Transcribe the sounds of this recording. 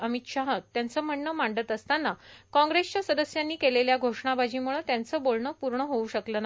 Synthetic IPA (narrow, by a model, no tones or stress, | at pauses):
əmit̪ɕaɦət̪ːjant͡səːm̤əɳːəmaɳɖət̪əst̪anːakɔ̃ŋɡɾest͡ɕjasəd̪əsjanːiːkeleljaɡʱoʂɳabad͡ʑiːmuɭət̪jant͡səːbolɳəːpuɾɳəɦouɕəkləna